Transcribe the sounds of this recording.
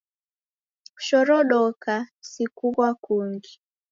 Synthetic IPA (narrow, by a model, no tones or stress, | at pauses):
ʃɔɾɔɗɔkasikuɣwakuŋɡi